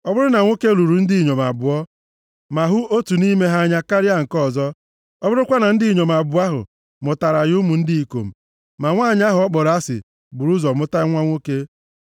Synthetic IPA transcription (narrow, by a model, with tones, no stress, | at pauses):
ɔ˦bʊ˦ɾʊ˦na˨ŋʷo˦ke˦lu˨ɾu˨n̩˦dɪ˦˨ɲo˨ma̰˨bʊ˨ɔ˦ | ma˨ɦʊ˦o˦tu˨ni˦me˦ɦa˦ɲa˦ka˦ɾɪ˦a˦ŋ̩˨kɔ˦˨zɔ˦ | ɔ˦bʊ˦ɾʊ˦kʷa˦na˨n̩˦dɪ˦˨ɲo˨m˨a˨bʊ˨a˦ɦʊ̰˨ | mʊ˨ta˨ɾa˨ju˦mu˨n̩˦dɪ˦i˨ko̰˨m̩˨ | ma˨ŋʷaː˦˨ɲ˦a˦ɦʊ˨ɔ˦k͡pɔ˨ɾa˦sɪ̰˨ | bʊ˨ɾu˦zɔ˨mʊ˦ta˦ŋʷa˦ŋʷo˦ke˦